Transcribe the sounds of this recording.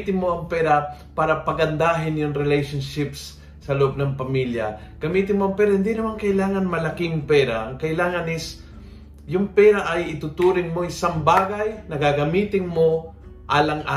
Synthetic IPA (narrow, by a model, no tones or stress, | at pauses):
t̪ɪnmo̞ʔɐŋpɛːɾapaːɾɐpɐɡɐnd̪aːɦɪnjʊŋɾɪlɛjʃonʃɪpsː | ɐloʔob̚nɐŋpɐmiljɐ̰ | ɡ̥ɐmiːt̪ɪnmoʔɐŋpɛːɾɐhɪnd̪inɐmaŋkɐʔɪlaːŋɐnmɐlɐkɪŋpɛːɾaʔɐŋkɐʔɪlaːŋɐnɪs | jʊŋpɛɾaʔɐjɪt̪ʊt̪uːɾɪŋmo̞ʔɪsaŋbaːɡajnɐɡaɡɐmiːt̪ɪŋmo̞ʔaːlɐŋʔa